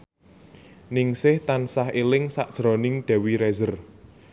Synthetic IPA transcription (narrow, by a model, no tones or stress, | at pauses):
nɪŋsɪht̪ansaɦelɪŋsaʔd̥ʒ̥ɾɔnɪŋɖ̥ɛ̤wiɾɛzər